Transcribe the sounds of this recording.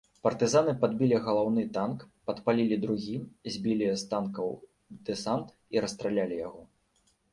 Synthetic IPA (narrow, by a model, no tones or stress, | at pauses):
pɐrt̪ɨzanɨpad̪bʲilʲiɣɐlˠawnɨt̪ankpɐt̪palʲilʲid̪ɾuɣʲizʲbʲilʲist̪ankɐw | d̪̥ɨsant̪ | iɾɐst̪ɾalʲalʲijaɣɔ